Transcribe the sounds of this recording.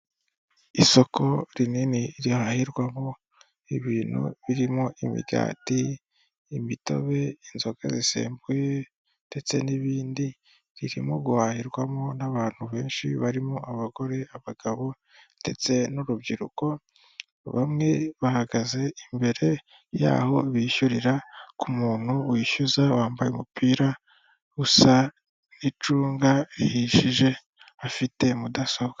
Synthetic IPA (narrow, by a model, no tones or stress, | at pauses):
iso̞ko̞ɾininiɾihahiɾɡwamo | iβiːnṵβiɾimoʔimḭɡa̰ːtiː | mito̞̰βe̞inzo̞ɡazisḛːmbuje̞ | d̥e̞t͡se̞niβiːndi | ɾiɾimoɡuhaːhiɾɡwamo̞naβaːn̥huβe̞ːnʃiβaɾimoʔaβaɡo̞ɾe̞aβaɡ̥aβo̞ | d̥e̞̰t͡se̞noɾubɟiɾṵko̞ | βa̰mŋe̞βahaɡaze̞imbe̞ɾe̞ | ja̰ːho̞βiʃuɾiɾakumuːn̥huwiʃuzawaːmbajeumupiːɾa | usa | nit͡ʃuːŋɡaihiʃiʒe̞ | afite̞mudasoβɡa